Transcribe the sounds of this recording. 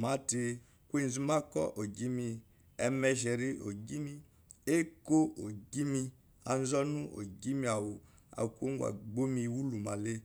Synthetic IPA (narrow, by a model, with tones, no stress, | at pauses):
ma˨˦te˧ | kʷe˦n˨zi˦ma˦kɔ̰˦ʔo˨ɡi˦mi˧ | ɛ˦mɛ˧ʃɛ˨ɾi˦ʔo˨ɡi˦mi˦ | e˦ko˦o˨ɡi˦mi˧ | a˨n˦zɔ˦nu˦ʔo̰˨ɡi˦mi˦a˨wu˨ | a̰˨kʷo˦ŋ˦ɡu˦˨a̰˨ɡ͡bo˦mi˧˨wu˦lu˨ma˨le˦